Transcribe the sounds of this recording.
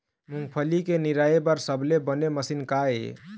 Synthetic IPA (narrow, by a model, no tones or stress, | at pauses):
muŋɡpʰəlikeniɾaebəɾsəblebəneməsinkaḛ